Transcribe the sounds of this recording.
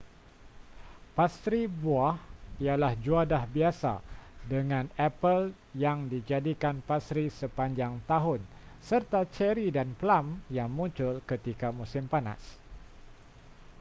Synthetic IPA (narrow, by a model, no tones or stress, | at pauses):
past̪ɾibuahialahd͡ʒuadahbiasa̰dəŋãnɛpəl | jaŋdid͡ʒadikanpast̪ɾisəpaɲd͡ʒaŋt̪aɦʊnsərt̪at͡ʃɛɾidanplamjaŋmũɲt͡ʃʊlkət̪ikamusɪmpana̰s